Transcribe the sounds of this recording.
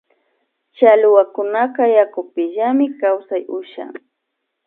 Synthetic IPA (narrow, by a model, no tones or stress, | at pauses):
t͡ʃalʊwakʊnakajakʊpɪʎamɪkawsajʊʃa̰ŋ